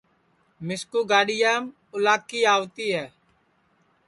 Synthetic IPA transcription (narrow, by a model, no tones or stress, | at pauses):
mɪskuːɡaːɗɪjaːm | ʊlaːkːiːaːʋt̪iːɦɛː